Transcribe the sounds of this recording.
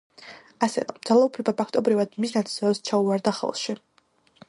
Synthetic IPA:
asɛ̰ɾɔ̰md̪zalˠaupʰlɛbapʰakʰt̪ʼɔbɾivad̪misnat̪sʰʼsɔɛbst͡ʃʰauvaɾd̪aχɛ̰lˠʃi

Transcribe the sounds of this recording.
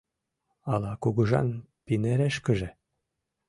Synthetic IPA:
ɑlɑkuɣɤ̆ʒɑ̰n | pineɾeʃkə̆ʒĕ

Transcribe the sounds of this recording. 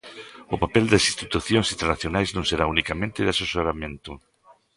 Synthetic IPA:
ʊpapɛld̪asist̪it̪uθjõŋsint̪eɾnaθjonajznõŋseɾaunikamẽnt̪ɪðasesoɾamẽnt̪ʊ

